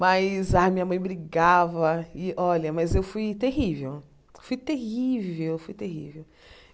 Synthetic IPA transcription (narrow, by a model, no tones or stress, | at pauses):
majzamĩɲɐmɐ̃j̃bɾiɡavɐɪɔlʲɐmɐjzewfujt̪eɦivew | fujt̪ehivewfujt̪eɦḭvew